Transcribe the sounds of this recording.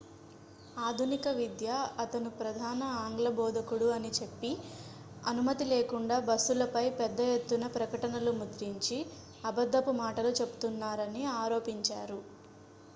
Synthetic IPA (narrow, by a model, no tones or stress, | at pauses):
aːd̪ʱunikɐʋid̪jaɐt̪ɐnupɾɐd̪ʱaːnɐaːŋɡlɐbɔːd̪ʱɐkuɽuɐnit͡ʃe̞pːi | ɐnumɐt̪ileːkuɳɖaːbɐsːulɐpɐjpɛd̪ːɐje̞t̪ːunɐpɾɐkɐʈɐnɐlumud̪ɾiɲt͡ʃi | ɐbɐd̪ʱːɐpumaːʈɐlut͡ʃe̞bu̥t̪unːaːɾɐniaːɾoːpiɲt͡ʃaːɾu